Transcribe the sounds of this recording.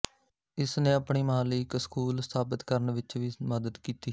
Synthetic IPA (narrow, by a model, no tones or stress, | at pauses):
ɪsnẽːəpɳiːmaːlɪkskuːlst̪ʰaːbɪt̪kəɾəɳʋɪt͡ʃʋiːməd̪əd̪kiːt̪iː